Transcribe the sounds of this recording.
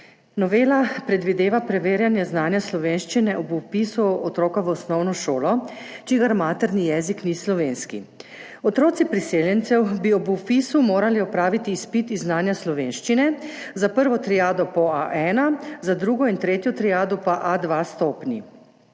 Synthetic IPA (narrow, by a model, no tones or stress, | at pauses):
nɔʋeːlapɾɛd̪ʋid̪eːʋapɾɛʋeːɾjanjɛznaːnjaslɔʋeːnʃt͡ʃinɛʔɔbuwpisuɔt̪ɾoːkaʋəɔsnɔwnɔʃoːlɔ | t͡ʃiɡaɾmaːt̪ɛɾnijɛːziknislɔʋeːnskḭ | ɔt̪ɾoːt̪ipɾiseːljɛnt̪sɛwbiɔbupiːsumoːɾaliɔpɾaːʋit̪iːspit̪iznaːnjaslɔʋeːnʃt͡ʃinɛzapəɾʋɔt̪ɾijaːd̪ɔpɔaʔɛːnazad̪ɾuɡɔint̪ɾeːt̪jɔt̪ɾijaːd̪ɔpaʔad̪ʋast̪oːpni